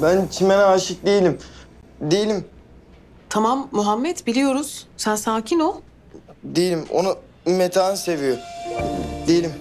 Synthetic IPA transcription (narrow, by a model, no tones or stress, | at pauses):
bænt͡ʃʰimenɛaʃɯk̚d̪ejilʲimd̪ejilʲim | t̪ʰamamːuɦamːɛt̪bilʲijo̞ɾuz̥sænsaːcʰino | d̪ejilʲimo̰nu | met̪ʰaːnɯsevijo | d̪ejilʲim